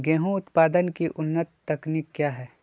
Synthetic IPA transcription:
ɡɛːɦũʊt̪paːd̪ənkiʔʊnːət̪ːɐkniːkːjaːɦɛː

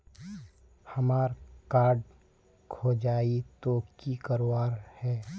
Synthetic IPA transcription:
hɐmaːɾkaːɾɖ | kʰoːd͡ʒaːit̪oːkikəɾowaːɾhɛː

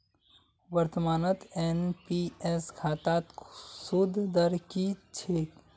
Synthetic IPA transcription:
wəɾt̪əmaːnət̪enpiskʰaːt̪aːt̪sud̪ʱd̪əɾkit͡ʃʰeːk

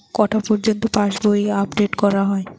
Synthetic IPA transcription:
kɔʈʰapɔɾd͡ʑont̪opaʃboiapɖeʈkɔɾaɦɔe

